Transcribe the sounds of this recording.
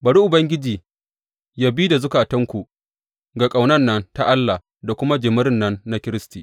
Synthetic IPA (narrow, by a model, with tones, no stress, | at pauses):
bɐ˨ɽu˦ʔʊ˨bɐ˦ŋɡʲɪ˦d͡ʒiː˨ | jaː˦biː˦da˨zʊ˦kaː˨tɐ˦ŋkʷu˨ʔ | ɡa˨kʼa˨wnɐ˦nːɐ˦nta˦ʔa˦lːa˨ | da˨kʷʊ˦ma˦d͡ʒɪ˨mɪ˦ɾɪ˦nːɐ˦nːa˦kʲɪ˦ɾɪ˦stiː˨